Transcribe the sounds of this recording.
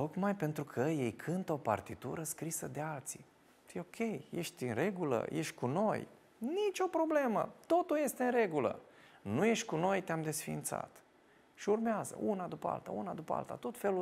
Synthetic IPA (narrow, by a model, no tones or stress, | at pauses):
t̪o̞kmajpe̞nt̪ɾukʰəjejkʰɨnt̪əopa̰rt̪it̪ṵɾəskɾisəd̪e̞alt̪si̥ | t̪jeo̞kʲe̞jje̞ʃt̪ʲɨnre̞ɡulə̰jʔeʃt̪̚ʲkuno̞j | nit͡ʃʲo̞pɾo̞ble̞mə̰t̪o̞t̪ulje̞st̪eɨnre̞ɡulə̰nuje̞ʃt̪ʲkuno̞jt̪eamd̪e̞sfint̪sa̰t̪ | ʃiurmeazə̰ʔunad̪upəa̰lt̪a̰unad̪upəa̰lt̪at̪o̞t̪fe̞lu